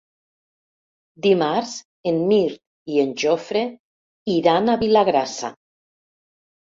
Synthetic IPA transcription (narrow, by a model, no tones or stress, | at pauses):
d̪imaɾz | enmiɾt̪ | ienʲʒofɾe | iɾanaβilaɣɾasa̰